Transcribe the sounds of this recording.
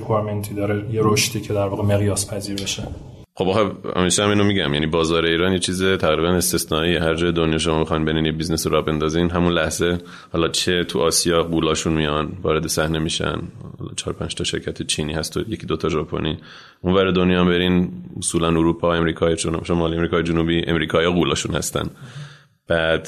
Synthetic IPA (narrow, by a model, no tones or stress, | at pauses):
oɾment̪ʰid̪ɒːɾejeɾoʃt̪iːcʰed̪æɾvɒːɣeme̞ɣjɒːspʰæziːɾbeʃe | xobɦæ̰miʃɛæmiːnomiɟæ̰mjænibɒːzɒːɾe̞iːɾɒːnjet͡ʃʰiːzet̪ʰæɣɾiβæne̞st̪e̞snɒːiːehæɾd͡ʒɒːjed̪onjɒːʃ̬omɒːmixɒjnbe̞ɾiːnjebiznesoɾɒːbe̞nd̪ɒːzinɦæmunlæhz̥e̞ | hɒːlɒt͡ʃʰet̪ʰuʔɒːsijɒːɡuːlɒːʃunmijɒnvɒːɾe̞d̪esæhne̞miːʃæ̰nhɒ̰ːl̰ːt͡ʃʰɒːɾopʰænd͡ʒt̪ʰɒʃe̞̰ɾcʰæt̪ʰet͡ʃʰiːniːhæst̪ojecʰid̪ot̪ʰɒʒɒːpʰo̰nʔiː | ʔunvæɾed̪o̞njɒːmbe̞ɾinosuːlænuɾuːpʰɒːe̞mɾiːkʰɒːjeʃonʃomɒliemɾiːkʰɒːjed͡ʒunuːbiːʔḛmɾiːkʰɒːjɒɡuːlɒːʃunhæ̰st̪æ̰n | b̥æd̪̥